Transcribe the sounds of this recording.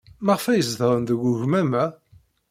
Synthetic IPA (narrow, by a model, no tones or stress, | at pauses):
mɑʁfæjəzðəɾˤənðəɡʷʊʝmæmæ